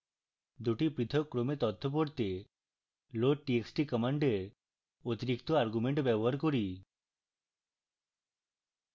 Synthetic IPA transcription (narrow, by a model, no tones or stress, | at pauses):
d̪uʈipit̪ʰɔkɾomet̪ɔt̪ʰːɔp̬ɔɾt̪e | loʈieksʈikɔmaɳɖe | ot̪iɾikt̪ɔaɾɡumeɳʈbɛbɔɦaɾkɔɾi